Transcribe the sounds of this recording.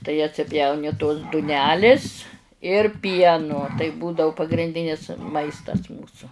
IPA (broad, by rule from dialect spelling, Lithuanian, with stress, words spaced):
tɐɪ ɐtʲsʲɪˈpʲjɛʊnʲɪ toːs dʊˈnʲæːlʲɪs ɪr ˈpʲiɛnʊ tɐɪ ˈbuːdɐʊ pɐɡrʲɪnʲˈdʲɪnʲɪs ˈmɐɪstɐs ˈmuːsʊ